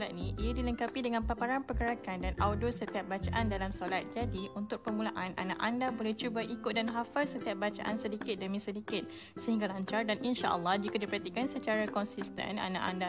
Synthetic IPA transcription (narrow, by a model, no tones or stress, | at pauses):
lat̪̚niʔijadiləŋkapidəŋãnpapaɾanpərkəɾakandanawdʊsət̪iap̚bat͡ʃaʔandalamsolat̪̚d͡ʒadiʔunt̪ʊk̚pəmulaʔana̰nã̰ʔandabolɛht͡ʃubaʔikʊt̪̚danɦafalsət̪iap̚bat͡ʃa̰ʔa̰nsədikɪt̪̚dəmĩsədikɪt̪̚ | səhiŋɡalaɲt͡ʃardanʔinʃa̰ʔə̰lːɑhd͡ʒikadipəɾant̪ikansət͡ʃaɾakɔnsist̪ə̰na̰nã̰ʔa̰nda